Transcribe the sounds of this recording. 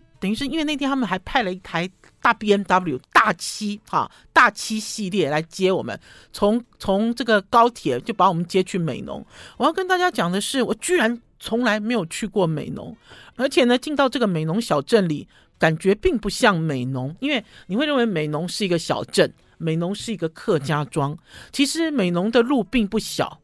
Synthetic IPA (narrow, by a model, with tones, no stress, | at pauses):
t̪ə˨˩ŋy˧˥ʂɻ̩˥˧˥nwe˥˧n˥˧t̪ʰjnʰa˥mə˨˩xa˧˥ɪpʰa˥˩ɪlə˩i˥˩t̪ʰa˧˥ɪ | t̪a˥˩pjɛ˥nt̪a˧˥pu˥˩li˨˩ʊt̪a˥˩t͡ɕʰi˥hɑ̰˥˨ | t̪a˥˩t͡ɕʰi˥ɕi˥˧ljɛ˥˩la˧˥ɪt͡ɕjɛ˥wɔ̰˨˩mə̰˦n | t͡sʰʊ˧˥ŋt͡sʰʊ˧˥ŋʈ͡ʂɤ˥˩ɡə˩kɑ˥ʊt̪ʰjɛ˨˩t͡ɕjo˥˩ʊpa˧˥wɔ˨˩mə˦nt͡ɕjɛ˥t͡ɕʰy˥˩mḛ˨˩ɪnʊ̰˧˥ŋwɔ˨˩jɑ˥˩kə˦nt̪a˥˩t͡ɕja˥t͡ɕjɑ˨˩ŋd̪ə˦ʂɻ̩˥˩wɔ˨˩t͡ɕy˥ɻa˧˥n | t͡sʰʊ˧˥ŋla˧˥ɪme˧˥ɪjo˨˩ʊt͡ɕʰy˥˧kwɔ˥˩mḛ˨˩ɪnʊ̰˧˥ŋə˞˧˥t͡ɕʰjɛ˨˩nə˦t͡ɕi˥˧ŋt̪ɑ˥˧ʊʈ͡ʂɤ˥˩ɡə˩me˨˩ɪnʊ˧˥ŋɕjɑ˨˩ʊʈ͡ʂə˥˩nlḭ˨˩˦ | ka˨˩nt͡ɕɥɛ˧˥pi˥˧ŋpu˥˧ɕjɑ˥˩ŋme˨˩ɪnʊ˧˥ŋi˥nwe˥˩ɪni˨˩we˥˧ɻə˥nwe˧˥ɪme˨˩ɪnʊ˧˥ŋʂɻ̩˥˩i˧˥ɡə˧ɕjɑ̰˨˩ʊʈ͡ʂə˥˩n | me˨˩ɪnʊ˧˥ŋʂɻ̩˥˩i˧˥ɡə˧kʰɤ˥˧t͡ɕja˥ʈ͡ʂwɑ˥ŋt͡ɕʰi˧˥ʂɻ̩˧˦me˨˩ɪnʊ˧˥ŋd̪ə˧lu˥˧pi˥˧ŋpu˥˩ɕjɑ̰˨˩˦ʊ